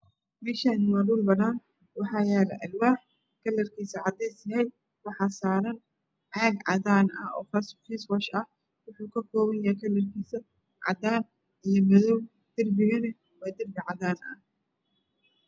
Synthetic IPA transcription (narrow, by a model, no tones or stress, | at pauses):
mɛːʃɐnmaduːlbɐðaːn | wɑħɑːjɛːlɐ̰ʔɐlwaːħ | kʰɐlːɐrkʰiːsɐʕɑd̪ɛjsɐhɛjd̪̚ | wɑħɑːsaːɾɐn | ʕɑɡʕɑ̰ðaːnɐ̰ɔ̰ːfɐskʰiːswɐʃɐh | wʊħuːkʰɐkʰɔːβɐnjɐkʰɐlːɐrkʰiːsɐ | ʕɑ̰d̪aːn | ijɞmɐðɔw | d̪̥ɪrbɪɣɐnɛ | waːd̪ɪrbɪʕɑðaːnɐ̰h